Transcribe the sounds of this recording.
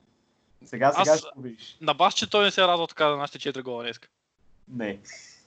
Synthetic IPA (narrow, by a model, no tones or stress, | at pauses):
sɛɡasasɡaʃoviʃnɐbast͡ʃɛt̪ɔjnɛsɛɾad̪vət̪ɐ̥kazɐnaʃi̥t̪ət͡ʃɛt̪ɾiɡɔlˠɐnɛskə̥ | nɛ